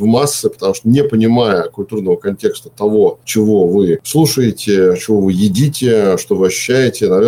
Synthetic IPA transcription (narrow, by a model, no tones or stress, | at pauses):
vmasːɨpə̥t̪ɐmuʂt̪onʲɪepənʲɪmajəkʊlʲt̪urnəvəkɐnʲtʲe̞kst̪ə̥t̪ɐvo̞t͡ɕɪvo̞vɨslˠuʂəjɪtʲɪt͡ɕɪvo̞vɨjɪdʲitʲɪʂt̪o̞vɨɐɕːʉ̥ɕːæjɪtʲɪnɐvʲe